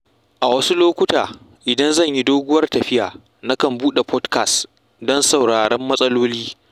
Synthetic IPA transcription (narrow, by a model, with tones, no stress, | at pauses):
ʔa˨wɐ˦su˦loː˦kʷʊ˦taː˨ | ʔɪ˨dɐ˦nzɐ˦˨ɲji˦doː˦ɡʷʊ˦wɐ˦rtɐ˨ɸɪ˦jaː˨ | na˦kɐ˨mbuː˦ɗe˨pʰɔ˦dka˨st | dɔ˦nsa˨wɽaː˨ɽɛ˦mːɐ˦sʼɐ˦loː˦liː˦